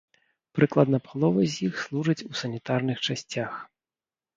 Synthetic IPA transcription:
pɾɨklˠɐd̪nɐpalˠɔvɐzʲjixslˠuʐɨt͡sʲusɐnʲit̪arnɨxt͡ʂasʲt͡sʲax

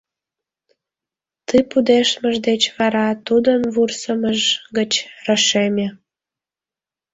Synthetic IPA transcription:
t̪ɨpud̪eʃməʒd̪et͡ɕβɑɾɑt̪ud̪ənβursəməʒɡət͡ɕrəʃemʲe

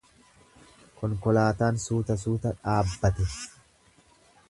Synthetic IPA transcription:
kɔŋkɔlaːt̪aːnsuːt̪ɐs̬uːt̪ɐᶑaːbːɐt̪ɛ

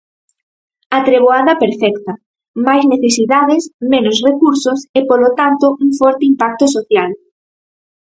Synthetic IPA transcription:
at̪ɾeβoaðɐpeɾfɛkt̪ɐ | majzneθesiðaðɪsmenosrekuɾsosepolot̪ant̪oʔuŋfɔɾt̪eimpak̚t̪osoθjal

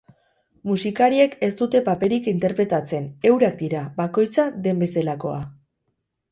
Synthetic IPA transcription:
musikaɾie̞ke̞st̪ut̪e̞pape̞ɾikint̪e̞ɾpɾe̞t̪at͡se̞ne̞wɾak̚d̪iɾabako̞jt͡sade̞mbe̞selako̞a

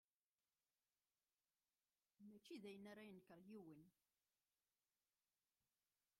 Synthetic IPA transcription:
mæt͡ʃːiðæjənaɾæjənkːəɾˤjiwən

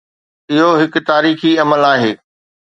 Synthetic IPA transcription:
ɪɦoɦɪkʊ̆t̪aːɾiːxiɐməlaːɦeː

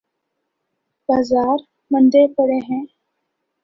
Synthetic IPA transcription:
b̥aːzaːɾ | mə̃nd̪epəɽeɦɛ̃ː

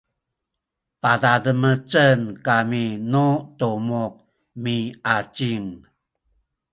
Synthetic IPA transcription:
padadəmət͡sənkaminutumuq̚ | miat͡ʃiŋ

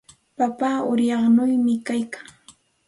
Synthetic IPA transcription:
papaːʊɾjɑχnʊjmɪkajkḁŋ

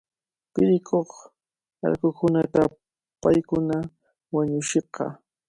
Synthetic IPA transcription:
pɪɾɪkʰoχ | a̰ɾkʊkʊnat̪a | pajkʊna | waɲʊʃeqɑ̰

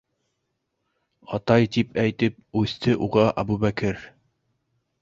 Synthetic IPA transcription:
ɑt̪ɑjt̪ipæjt̪ɘp̚ʉθt̪ɘʔuʁɑʔɑ̰bubækɘɾ

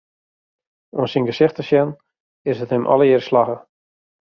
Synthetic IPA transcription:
ɔmsinɡəsɪxtəsjɛn | ɪsətnɪmʔɔ̰ləjɪːrslaɣə

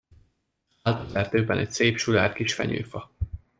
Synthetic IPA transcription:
alt̪ɛrt̪øːbɛnʔɛcseːpʃula̰ːrkiʃfɛ̰ɲø̰ːfɒ

